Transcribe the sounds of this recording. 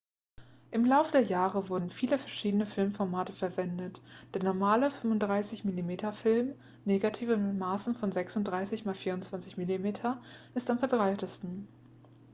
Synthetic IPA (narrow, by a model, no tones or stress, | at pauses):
ʔɪmlaʊfədeːɐjaːʁəvʊɐdn̩fiːləfɛɐʃiːdənəfɪlmfɔɐmaːtəfɛɐvɛndətd̥eːɐnɔɐmaːləfʏmvʊntd̥ʁaɪsɪçmilimeːtʰɐfɪlm | neːɡatʰiːvənɪtmaːsn̩fɔnzɛksʊntd̥ʁaɪsɪçmaːlfiːɐʊntt͡sv̥ant͡sɪçmilimeːtʰɐʔɪstamfɛɐbʁaɪtəstn̩